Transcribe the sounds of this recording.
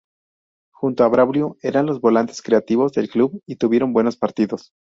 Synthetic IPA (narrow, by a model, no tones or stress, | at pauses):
xunt̪oaβɾaβljoe̞ɾanlo̞zβo̞lant̪e̞skɾe̞at̪iβo̞zðe̞lkluβit̪uβje̞ɾo̞mbwe̞no̞spaɾt̪iðo̞s